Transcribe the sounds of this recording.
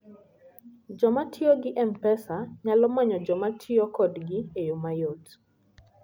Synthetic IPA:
d͡ʒɔmatʰioɡɪʔɛmpɛsaɲalɔmaɲɔd͡ʒɔmatʰiokɔdɡɪejomajot

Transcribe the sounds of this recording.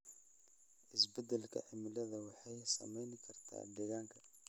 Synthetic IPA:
ʔɪsbɐd̪ɐlkʰɐ̰ʕɪmɪlɐðɐwɑħɑjsɐ̰mɛjnɪkʰɐrt̪ʰa̰ːd̪ɛɣaːŋkʰɐ̥

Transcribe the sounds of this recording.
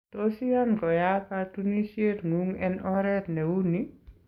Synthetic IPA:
tosijankɔjapatunisietŋuŋɛnɔɾɛt̪newuni

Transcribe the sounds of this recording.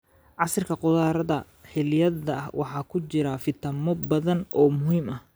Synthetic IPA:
ʕɑsɪrkʰɐqʊðaːɾɐðɐ | hɪljɐðɐʔɐhwʔɑ̰ħɑːkʰʊt͡ʃɪɾɐfɪt̪ʰɐmɔbɐðɐnʔɔːmʊhiːmʔɐh

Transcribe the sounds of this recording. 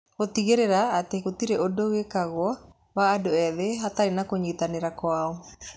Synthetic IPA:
ɣot̪iɣeɾeɾaːteɣot̪iɾeʔodowekaɣwɔ | βaːdoɛðeɦataenakoɲit̪aneɾakwaɔ

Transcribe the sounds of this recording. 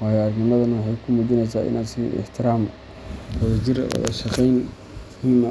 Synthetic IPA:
wɑːjːɾɡnɪmɐðɐnɐwħɑjkʰʊmuðɪnɛjsaːʔɪ̰naːd̪sɪ̰ʔɪ̰ħt̪ʰɪɾaːm | wɔðɐd͡ʒɪɾ̰wɔ̰ðɐ̰ʃɑqɛjn | ɪnm

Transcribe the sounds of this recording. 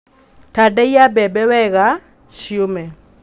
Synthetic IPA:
tadɛjabɛbɛwɛɣa | ʃjomɛ

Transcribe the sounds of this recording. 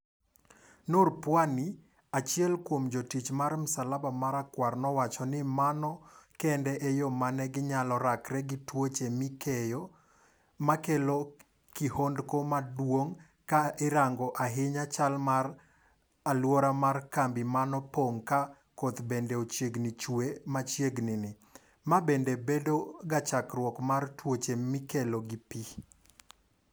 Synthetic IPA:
noɾpwani | at͡ʃjɛlkwomd͡ʒotit͡ʃmaɾmʊsalabamaɾakwarnɔwat͡ʃɔnɪmanɔkɛndɛʔejomanɛɡɪɲalɔɾakɾɛɡɪtwot͡ʃemɪkejɔ | makelo | kihondkomadwoŋ | kaɪɾaŋɡɔʔaɦɪɲat͡ʃalmar | alwɔɾamarkambɪmanɔpoŋka | kot̪bendeot͡ʃjeɡnɪt͡ʃwemat͡ʃjeɡnɪnɪ | mabendebedoɡat͡ʃakɾwɔkmartwot͡ʃemɪkeloɡɪpi

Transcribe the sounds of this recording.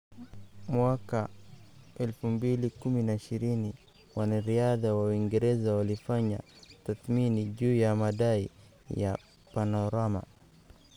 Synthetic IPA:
mwaka | ɛlfumbilikuminaiʃiɾini | wanaɾiaðawawiŋɡɛɾɛzawalifaɲa̰taθminid͡ʒuːjamaɗaḭ | ja̰ | panɔɾama̰

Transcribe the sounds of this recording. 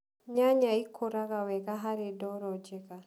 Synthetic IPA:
ɲaɲaikʰoɾaɣawɛɣaɦaɾedɔɾɔd͡ʒɛɣa

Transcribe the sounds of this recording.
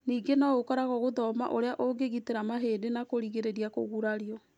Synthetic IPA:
niːɡenaokɔɾaɣɔɣoðɔma̰ʔoɾeaʔoɡeɣiteɾamaɦeːdenakoɾiɣeɾeɾiako̰ɣuɾaɾiɔ

